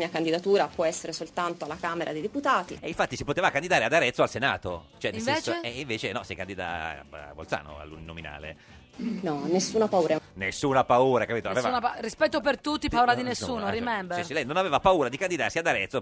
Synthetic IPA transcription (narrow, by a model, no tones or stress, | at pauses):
iːakand̪id̪at̪uːɾapwɔɛsːeɾesolt̪ant̪oalakaːmeɾʔa̰d̪ejd̪eput̪aːt̪ḭeiɱfat̪ːisipot̪eːvakand̪id̪aːɾead̪aɾɛt̪soalsenaːt̪ot͡ʃoɛneseːseeiɱveːt͡ʃenɔsekand̪id̪a̰vo̰ltsa̰ːno̰a̰lːṵnnːomina̰ːlḛ | nɔnesːuːnapauːɾanesːuːnoapauːɾakapiːt̪oaveːvnrispɛt̪ːop̬ert̪ut̪ːipauːɾad̪inesːuːnoɾimɛmbsiɾilɛjnonaveːvapauːɾad̪ikand̪id̪arsiad̪aɾɛt̪ːo